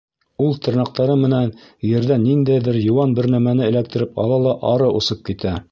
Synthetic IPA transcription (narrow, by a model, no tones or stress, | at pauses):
ulˠt̪ɤ̆ɾnɑq̚t̪ɑɾɤmɘ̆nænjɘ̆ɾðænind̪æjðɘɾjŭwɑnbɘɾnæmænɘɘ̆lækt̪ɘ̆ɾɘpɑ̰lˠɑlˠɑʔɑɾɤʔusɤp̚kit̪æ